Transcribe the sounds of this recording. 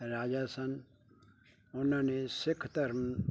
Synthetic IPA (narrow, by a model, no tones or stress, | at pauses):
ɾaːd͡ʒasən | ʊnãːnesɪkʰt̪əɾm